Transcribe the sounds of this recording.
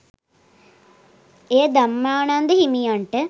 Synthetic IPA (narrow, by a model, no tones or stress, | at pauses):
eːd̪amːaːnand̪əɦimijaɳʈə